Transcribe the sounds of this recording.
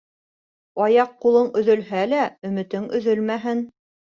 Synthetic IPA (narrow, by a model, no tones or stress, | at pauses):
ɑjɑqːulˠɤɴɵ̆ðɵ̆lhælæɵ̆mɘ̆t̪ɘŋɵ̆ðɵlmæɦɘn